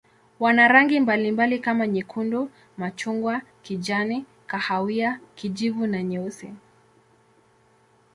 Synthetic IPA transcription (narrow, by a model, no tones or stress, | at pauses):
wanaɾaŋɡimbalimbalikamaɲikʰundɔ | mat͡ʃuŋɡwakid͡ʒani | kahawiakid͡ʒivunaɲɛusi